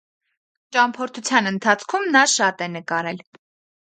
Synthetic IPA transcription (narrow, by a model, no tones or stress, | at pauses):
t͡ʃɑmpʰɔɾt̪ʰut͡sʰjɑnənt̪ʰɑt͡sʰkʰumnɑʃɑt̪ɛnəkɑɾɛl